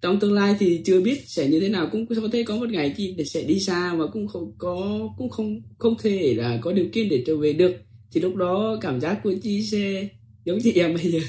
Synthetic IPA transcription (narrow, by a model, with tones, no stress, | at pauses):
t͡ɕɔ˧wŋ͡mt̪ɨ˧əŋlaː˧jt̪ʰi˨˩t͡ɕɨ˧əɓi˦˥ət̚sɛ̰˧˩ɲɨ˧t̪ʰe˨˦naː˨˩wkʊ̰˧˥ŋ͡mkɔ˨˦t̪ʰe˧˩kɔ˨˦mo˨˩t̚ŋa˨˩jt͡ɕi˧˨˩sɛ̰˧˥ɗi˧saː˧maː˨˩kʊ̰˧˥ŋ͡mxə˧wŋ͡mkɔ˨˦kʊ̰˧˥ŋ͡mxə˧wŋ͡mxə˧wŋ͡mt̪ʰe˧˩laː˨˩kɔ˨˦ɗi˨˩əwkḭ˧˨ənɗe˧˩t͡ɕəː˧˩ve˨˩ɗɨ˨˩ək̚t̪ʰi˨˩lʊ˦˥k͡p̚ɗɔ˨˦kaː˧˩mzaː˦˥k̚ku˧˩˦ət͡ɕi˧˦sɛ˧ | zə˨˦wŋ͡mt͡ɕḭ˧˨ʔɛ˧˩mɓə˧jzəː˨˩